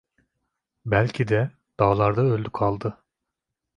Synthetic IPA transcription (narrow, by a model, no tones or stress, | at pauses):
bælʲcʰid̪ɛ | d̪̥aːlˠaɾd̪aølʲd̪ykʰalˠd̪ɯ